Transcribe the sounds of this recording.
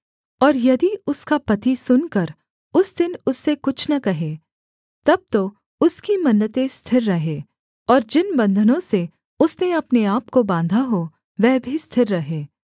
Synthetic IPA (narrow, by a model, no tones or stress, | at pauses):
ɔːɾjɐd̪iʊskapɐt̪isʊnkɐɾ | ʊsd̪ɪnʊsːekʊt͡ʃʰnɐkɐɦeː | t̪ɐb̚t̪o | ʊskimɐnːət̪ẽst̪ʰɪɾːɐɦeː | ɔːɾd͡ʒɪnbɐ̃nd̪ʱənõse | ʊsneɐpneaːpkobãːnd̪ʱaɦo | ʋɛːbʱist̪ʰɪɾːɐɦeː